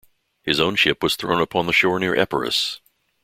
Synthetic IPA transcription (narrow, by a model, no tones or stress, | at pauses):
hɨzõʊ̃nʃɪpwʌz̥θɹõʊ̃nəpʰɑ̃nðəʃɔɹnɪɹʔɛ̰pə̰˞ɨ̰s